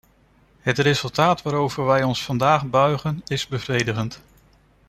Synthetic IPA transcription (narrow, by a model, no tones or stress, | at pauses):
ɦətrezɵlˠtaːtʋaːɾowvəɹʋɛjɔnsfɑndaːχbœɥχənɪzbəvrejdəχənt